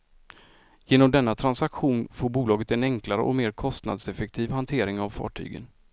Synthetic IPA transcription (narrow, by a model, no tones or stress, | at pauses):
jeːnɔmd̪ɛnːat̪ʰɾansakɧuːnfoːɾbuːlɑːɡət̪ɛnɛŋklaɾə̰ʔɔ̰meːɾkʰɔst̪na̰d̪sɛfɛk̚t̪ʰiːvhant̪ʰeːɾɪŋavfɑ̰ːʈʰy̰ːɡə̰n